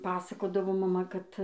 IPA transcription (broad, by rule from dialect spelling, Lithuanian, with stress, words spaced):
ˈpɑːsɐkoːdɐʋoː mɐˈmɐ kɐt